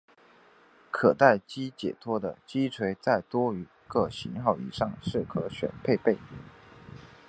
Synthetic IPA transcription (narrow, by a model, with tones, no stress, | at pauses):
kʰɤ˨˩t̪a˥˩ɪt͡ɕi˥t͡ɕjɛ̰˨˩t̪ʰwɔ˥d̪ə˨t͡ɕi˥t͡sʰwe˧˥ɪt͡sa˥˩ɪt̪wɔ˥y˧˥ | kɤ˥˩ɕi˧˥nxɑ˥˩ʊḭ˨˩ʂɑ˥˩ŋʂɻ̩˥˩kʰɤ˧˥ɕɥɛ̰˨˩npʰe˥˧ɪpe˥˩ɪ